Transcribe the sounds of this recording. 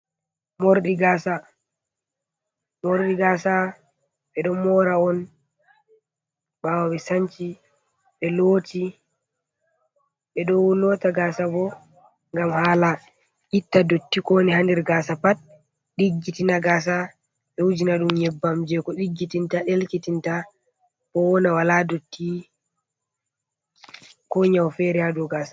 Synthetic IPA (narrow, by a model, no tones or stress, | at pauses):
moɾɗiɡasa | moɾɗiɡasa | ɓɛɗɔmɔɾaɔn | ɓawawɛsaɲt͡ʃi | ɓɛloːti | ɓɛɗɔwulɔtaɡasabɔ | ŋɡamhaːla | ʔitːadotːikɔnihandiɾɡaːsapat̚ | ɗiɡːitinaɡaːs̬a | ɗɛwud͡ʒinaɗumjɛbːamd͡ʒɛkɔɗiɡːitintaɗelkitinta | bɔwɔnawaladotːi | kɔɲawfɛɾiadɔɡaːsḁ